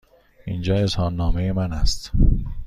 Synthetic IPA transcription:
ḭːnd͡ʒɒːe̞zhɒːnːɒːmejemænæst̪

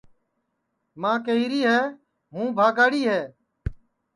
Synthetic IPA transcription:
mãːkeɦiːɾiːɦɛː | ɦũːbʱaːɡaːɽiːɦɛː

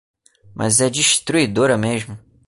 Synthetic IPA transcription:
mʔɐ̰zɛd͡ʒiʃt̪ɾuid̪oɾɐmeʒmʊ

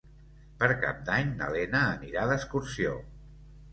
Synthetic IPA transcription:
pəɾka̰p̚d̪aɲnə̰lɛnəːniɾaðəskuɾsio

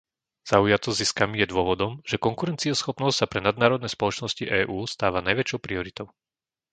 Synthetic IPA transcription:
z̥aujatt͡sɔziskamijɛd̪ʊɔʋɔd̪ɔmʒ̥ɛkɔŋkuɾɛnt͡siɔsxɔpnɔscsapɾɛnad̪naːɾɔd̪nɛjspɔlɔt͡ʃnɔsciʔɛːʔuːst̪aːʋanajʋɛt͡ʃɔʊpɾiɔɾit̪ɔʊ

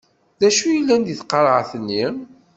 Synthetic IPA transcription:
ðæʃujəlːænd̪iθqəɾˤʕθənːi

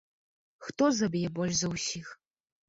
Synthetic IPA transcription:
xt̪ɔzɐbʲjɛbɔlʲʂzɐwsʲix

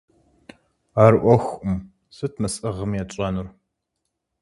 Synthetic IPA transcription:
aːrʔʷɔxʷʊm | sɨtʰmɨsʼɨʁəmjɛt͡ɕʼɐnur

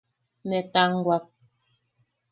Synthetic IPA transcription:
mɛtaŋɡwak̚

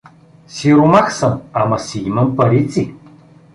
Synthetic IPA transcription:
siɾumaxsɐnamɐsijimɐmpɐɾit͡sʼi

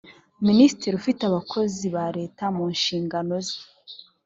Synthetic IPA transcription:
minisitɾiɾufitaβakʰo̞ziβaɾe̞ːtamuːnʃiːŋɡano̞ze̥

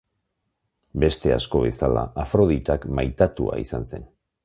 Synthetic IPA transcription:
be̞st̪e̞a̰sko̞βe̞sala̰afɾo̞ðit̪akmajt̪at̪ua̰isanse̞̰n

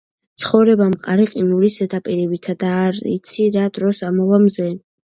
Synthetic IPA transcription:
t̪sʰχɔvɾɛbamqʼaɾiqʼinulisɛt̪ʼapʼiɾɛbit̪ʰad̪aːɾḭt̪sʰiɾad̪ɾɔsamɔvamzɛ

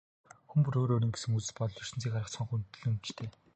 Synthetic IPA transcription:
xumpɵɾoːɾoːɾiːŋɡe̥sɘ̆ŋut͡sɘ̆ɮpɔt̪ɞ̆ɮɵr̥ʃɘ̆nt͡siːkaɾə̆χt͡sχɔ̆ɴχunt̪̆ɮɵ̆mt͡ɕt̪ʰeː

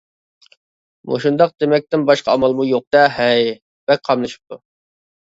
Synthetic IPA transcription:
mṵʃund̪ɑq̚d̪̥emɛk̚ʲt̪ɪnbɑʃqʰɑːmɑlˠmujoq̚d̪ɛɦɛj | bɛk̚ʲqʰɑmlˠɨʃi̥p̚t̪ʰu

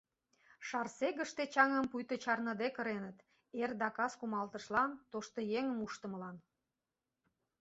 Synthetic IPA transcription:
ʃɑrseɣə̆ʃt̪et͡ɕɑŋəmpujt̪ət͡ɕɑrnə̆d̪ekə̆ɾenət̪ | erd̪ɑkɑskumɑlt̪ə̆ʃlɑnt̪oʃt̪ojeŋəmuʃt̪əməlɑn

